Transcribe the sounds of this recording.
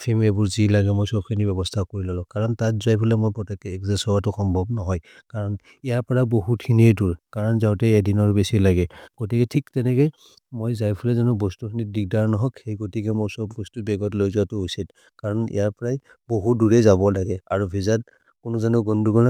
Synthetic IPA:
pʰimebʊɹzilaɡɛmojsɔb̚kʰinibɛbɔstʰakoɹilɔlɔ̃kaɹɔntat̚zajpʰulɛmojpɹɔtɛkːɛɛkzasɔwatʊxɔmbʱɔbnɔɦɔj | kaɹɔn | ijaɹpɔɹaboɦutkʰiniɛduɹkaɹɔnzawtɛɛdinɔɹbesilaɡɛɡ̥otikɛtʰiktɛnɛkɛ | mojzajpʰulɛzanʊbɔstukʰinit̚dik̚daɹnɔɦɔkxejɡotikɛmɔsɔbbɔstubɛɡɔtlojzuatʊusit | kaɹɔnḭjaɹpɔɹaj | boɦuduɹɛzabɔlaɡɛaɹubʱizat | kʊnʊzanʊɡɔndukɔna

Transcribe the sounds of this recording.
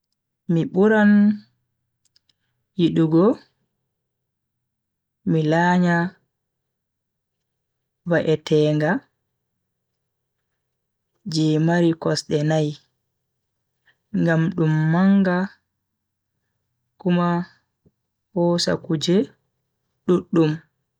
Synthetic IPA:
miɓuɾan | jiɗuɡɔ | milaɲa | waʔɛtɛːŋɡa | d͡ʒɛːmaɾikɔsɗɛnaj | ŋɡamɗumːaŋɡa | kuma | hɔːsa̰kud͡ʒɛ | ɗuɗːum

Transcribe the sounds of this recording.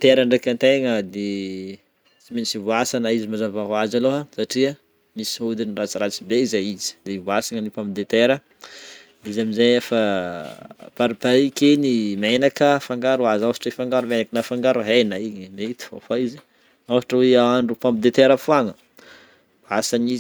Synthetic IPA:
t̪eɾaɳɖ͡ʐekʲant̪eŋəd̪e | t͡siminsivuasanaizimazavaɦuazaloɦasaʈ͡ʂiə | misiud̪inirat͡siɾat͡sibeizajizi̥d̪evwasaŋənipãmpid̪et̪eɾə | izaminzejefa | paɾipaikenimenakəfaŋɡaɾuazasḁʈ͡ʂifaŋɡaɾumenakənafaŋɡaɾuɦenaiɲneit̪u̥fo̰faizi | asaʈ͡ʂəweaɳɖ͡ʐupãmpid̪et̪eɾəfuaŋə | vasanizi

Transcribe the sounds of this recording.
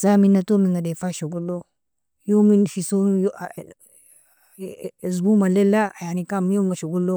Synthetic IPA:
zaminatomiŋɡadefaʃoɡolo | jominfisonj | zumalelaajanikamjomŋɡaʃokulo

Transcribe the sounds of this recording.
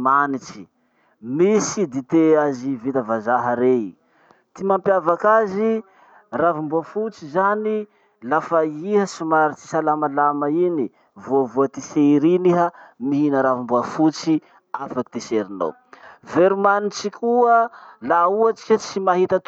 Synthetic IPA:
manit͡ʃi̥ | misid̪it̪eazivit̪əvazaɦəɾei | t̪imampjavakazi | ravimbuafut͡sizani | lafaihəsumaɾit͡si̥salamalamaini | voavuat̪iseɾiniɦəmiɦinəɾavimbuafut͡si | afaki̥t̪eseɾino̰w | veɾumanit͡ʃikʰuəlauat͡ʃi̥kʲat͡simaɦit̪at̪

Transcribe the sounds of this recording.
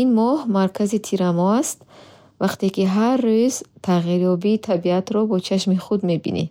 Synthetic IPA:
inmɔhmaɾkʰazit̪ʰiɾamɔast̪ | vaqt̪ekiɦaɾrːøzt̪ʰaʁiɾjɔbiːt̪ʰabiat̪ɾɔbɔt͡ʃʰaʃmiχud̪me̞bḭnḭ

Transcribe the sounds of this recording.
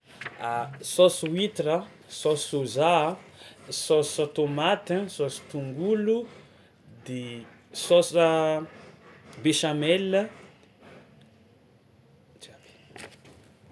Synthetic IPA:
asɔswit̪ɾə | sɔsoza | sɔsat̪omat̪əsɔsi̥t̪uŋɡulu | d̪e | sɔsə | beʃamɛlə | d͡ʒḁ

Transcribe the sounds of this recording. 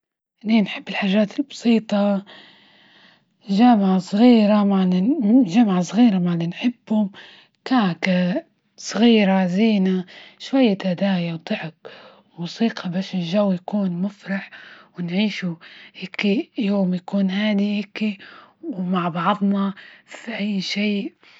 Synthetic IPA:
ʔninħɪbːɪlħaːʒːaːt̪ɪlbɑ̥sˤiːt̪ˤɑ | ʒaːmʕasˤɣiːɾamaʕliʒamʕasˤɣiːɾamaʕlːinħɪbːhʊm | kaːka | sˤɣiːɾaziːnaʃwajːat̪ad̪aːjawt̪ˤɨʕɪk | musiːqʰɑbaːʃɪlʒawːjakuːnmʊfɾˤɑħwɪnʕiːʃuhɪkːijoːmjakuːnhaːd̪ihɪkːiwmaʕbɑʕd̪ˤnɑfiʔajːʃiːʔ

